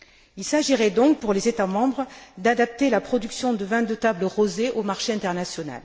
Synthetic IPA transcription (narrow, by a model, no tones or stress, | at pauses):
ilsaʒiʁɛd̪ɔ̃k̚puʁlezet̪amɑ̃bʁəd̪ad̪ap̚t̪elapχɔd̪yksjɔ̃d̪əvɛ̃d̪ət̪abləʁozeʔomaʁʃeɛ̃t̪ɛʁnasjɔna̰l